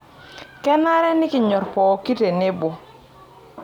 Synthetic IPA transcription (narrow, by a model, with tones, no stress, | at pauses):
kɛ˦na˦ɾɛ˦nɪ˦kɪ˨ɲɔ˨ɾpɔ˨ki˦te˨ne˦bɔ˨